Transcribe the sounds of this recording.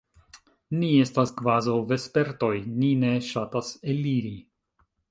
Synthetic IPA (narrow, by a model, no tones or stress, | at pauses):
nie̞staskvazawve̞spe̞ɾto̞jnine̞ʃataseliɾi